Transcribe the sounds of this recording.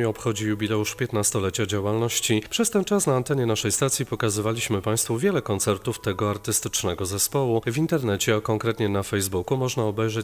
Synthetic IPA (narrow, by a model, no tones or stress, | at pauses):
ɲɛɔpxɔd͡ʑijubʲilɛuʂpʲjɛt̪nast̪ɔlɛt͡ɕad͡ʑawalnɔɕt͡ɕipʂɛst̪ɛnt͡ʂasnaːnt̪ɛɲɛnaʂɛjst̪at̪sʲjipɔkazɘvalʲiɕmɘpaj̃st̪fuvʲjɛlɛkɔnt̪sɛɾt̪uft̪ɛɡɔaɾt̪ɘst̪ɘ̥t͡ʂnɛɡɔzɛspɔwuvʲint̪ɛɾnɛt͡ɕɛakɔŋkɾɛt̪ɲɛnafɛjzbukumɔʐnaɔbɛjʐɛ